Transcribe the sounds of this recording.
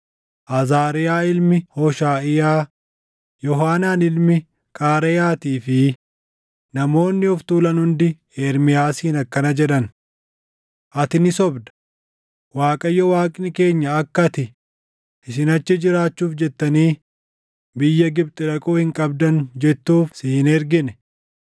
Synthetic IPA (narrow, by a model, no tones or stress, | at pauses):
ʔɐzaːɾɪjaːɪlmɪhɔʃaːʔɪjaː | jɔɦaːnaːnɪlmɪ | kʼaːɾɛjaːt̪iːfɪ | nɐmo̞ːnːɪɔft̪uːlɐnhʊnd̪ɪ | eɾmɪjaːsiːnɐkːɐnɐd͡ʒɛᶑɐn | ʔɐt̪ɪnɪsɔbd̪ɐ̥ | waːkʼɐjːɔwaːkʼɪnɪke̞ːɲːɐːkːɐt̪ɪ | ʔɪsɪnɐt͡ʃːɪd͡ʒɪɾaːt͡ʃːuːfd͡ʒɛt̪ːɐniː | bɪjːɐɡɪbt̪ʼɪᶑɐkʼoːhɪŋkʼɐbd̪ɐnd͡ʒɛt̪ːuːfsɪhɪnɛɾɡɪnɛ̥